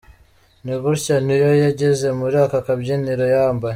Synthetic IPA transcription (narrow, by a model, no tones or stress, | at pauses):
niβuɾcanijojaɟeze̞muɾaːkakabɟiniɾojaːmba